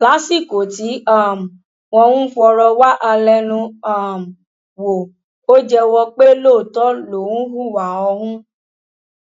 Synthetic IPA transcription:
la˨˦si˦˨ko˨ti˨˦a˦˨m̩˨ | wɔ̃˧hũ˦fɔ˧ɾɔ˧wa˦ʔa˧lɛ˧nũ˧a˨m̩˨ | wo˨ | o˦d͡ʒɛ˧wɔ˧k͡pe˦loː˦˨tɔ˦lo˨wũ˦ɦu˦˨wa˨ɔ˧hũ˦

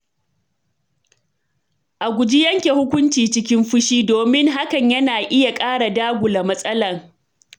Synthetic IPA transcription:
ʔa˨ɡʷʊ˨d͡ʒi˦jɐ˦ŋkʲe˨hʊ˦kʷʊ˦nt͡ʃiː˨t͡ʃɪ˦kʲɪ˦mɸʊ˦ʃiː˦doː˨mɪ˦ŋɦa˦kɐ˨ɲjɐ˦naː˨ʔɪ˦ja˨kʼaː˦ɽa˨daː˦ɡʷʊ˨la˨mɐ˦sʼɐ˦lɐ˨ŋ

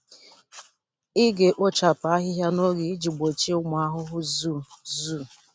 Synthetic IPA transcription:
ɪ˦ɡe˨ʔo˦t͡ʃa˨pa˨a˦ɦɪ˦ɦja˦no˦ɡi˨˦d͡ʒi˨ɡ͡bo˨t͡ʃi˦ʊ˦m˨˦a˦ɦʊ˦ɦʊ˦zu˦˨zu˦˨

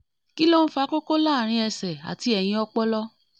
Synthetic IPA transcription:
ki˦lo˦n̩˦fa˧˦ko˦ko˦la˦˨ɾ̃ĩ˧ɛ˧sɛ˨a̰˨ti˧˦ɛ˨j̃ĩ˧ɔ˧k͡pɔ˦lɔ˦

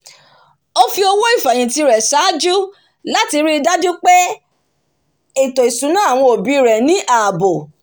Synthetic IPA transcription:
o˧fi˧o˧wɔ˦i˦˨fa˨j̃ĩ˨ti˧ɾɛ˨sa˨˦d͡ʒu˦ | la˦ti˧ɾi˦˧da˦du˦k͡pɛ˦ | e˦˨tɔ˨i˨sũ˨˦nã˦a˦˨w̃ɔ̃˧o˨bi˨˦ɾɛ˨nĩ˨˦ʔaː˨bo˨

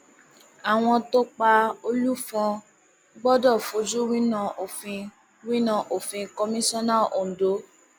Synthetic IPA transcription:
a˨w̃ɔ̃˧to˦k͡pa˧o˧lu˦fɔ̃˧ | ɡ͡bɔ˦dɔ˦˨fo˨˦d͡ʒu˦wi˦nã˦˧˨ʔo˨fĩ˧ | wĩ˦nã˧ʔo˨fĩ˧ko˧mĩ˦sɔ̃˦na˦˨o˨do˨˦

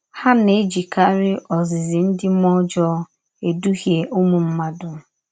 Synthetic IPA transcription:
ha˦ne˦d͡ʒi˨ka˦ɾɪ˦ʔɔ˨zɪ˨zɪ˨n̩˦dɪ˦mɔ˦d͡ʒɔ˦ | e˨du˦ɦje˨ʔʊ˦mu˨m̩˦ma˦dʊ˨

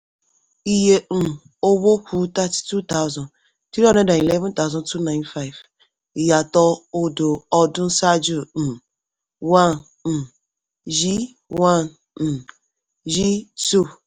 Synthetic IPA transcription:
i˦je˦n̩˨ | o˦bo˦kʷu˦ta˦ttu˦ta˦ʊzɔ̃˨n | tɾi˦ɔ̃˦ɛ̃˦dã˨i˨lɛ˦vɛ̃˦nta˦ʊ˦zɔ̃˦ntʰu˦nã˦ɪ̃˦nfa˦ɪ˨v | ja˨tɔ˦o˦do˨ɔ˦dʊ̃˦n̩˦sa˦d͡ʒu˦˨ | wa˦n̩˨ | ʒi˦ | wa˦˨n̩˨ | ʒi˦tu˦˨

